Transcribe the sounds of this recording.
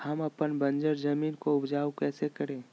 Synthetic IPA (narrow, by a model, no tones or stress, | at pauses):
hɐmɐpənbɐ̃nd͡ʒəɾd͡ʒɐmiːnkoʊbd͡ʒaːwkɛːsekəɾẽː